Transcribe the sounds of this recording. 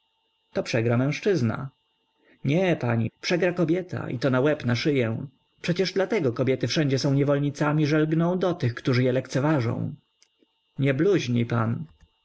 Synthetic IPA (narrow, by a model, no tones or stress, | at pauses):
t̪ɔpʂɛɡɾamɛ̃w̃ʂt͡ʂɘzna̰ | ɲɛpaɲḭpʂɛɡɾakɔbʲjɛt̪ʰa̰ʔḭt̪ɔnawɛpnaʂɘjɛ | pʂɛt͡ɕɛʐd̪lat̪ɛɡɔkɔbʲjɛt̪ɘfʂɛɲd͡ʑɛsɔ̃w̃ɲɛvɔlɲit̪samʲiʐɛlɡnɔ̃w̃d̪ɔt̪ɘxkt̪uʐɘjɛlɛkt̪sɛvaʐɔ̰̃w̃ | ɲɛbluʑɲipan